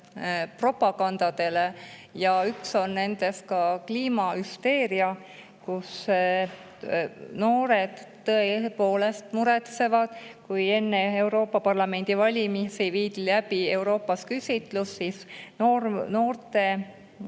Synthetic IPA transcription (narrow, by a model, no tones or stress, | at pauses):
pro̞pːˑɑkɑnd̪̥ɑd̪̥e̞le̞ | jɑykso̞nne̞nd̪̥e̞st̪̚kɑkliːmɑyst̪e̞ːɾiɑ | kus | no̞ːɾed̪̥ | t̪ːɤepo̞ːle̞st̪muɾe̞t̪se̞vɑd̪̥kuje̞nːee̞uwɾo̞ːpːˑɑpɑrlɑme̞nʲd̪̥ivɑlʲimisejviːd̪̥ilæb̥ie̞wɾo̞ːpːˑɑskysʲit̪ˑlusːisnoːrno̞ːrt̪e̞